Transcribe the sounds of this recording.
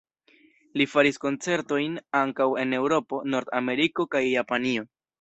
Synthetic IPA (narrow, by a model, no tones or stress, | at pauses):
lifaɾisko̞nt͡se̞ɾto̞jnaŋkawe̞ne̞wɾo̞po̞no̞ɾd̪ame̞ɾiko̞kajːapanio̞